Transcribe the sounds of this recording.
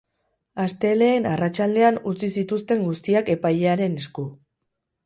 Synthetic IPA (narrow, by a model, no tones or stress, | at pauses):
ast̪e̞le̞ːnarat͡ʃald̪e̞anut͡sisit̪ust̪e̞ŋɡust̪iake̞pajʎe̞aɾe̞ne̞sku